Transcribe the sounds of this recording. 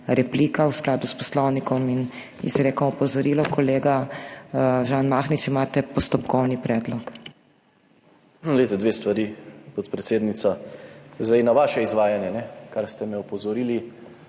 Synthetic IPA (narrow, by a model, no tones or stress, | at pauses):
ɾɛpliːkawsklaːd̪uspɔslɔwnikɔmin | ḭzɾeːkɔmɔpɔzɔɾiːlɔkʰɔleːɡa | ʒaːnmaːxnit͡ʃimaːt̪ɛpɔst̪ɔpkɔwnipɾɛːd̪lɔk | let̪ɛd̪ʋeːst̪ʋaɾiːpɔt̪pɾɛt̪seːd̪nit̪sazd̪ajnaʋaːʃɛizʋaːjanjɛnɛkaɾst̪ɛmɛɔpɔzɔɾili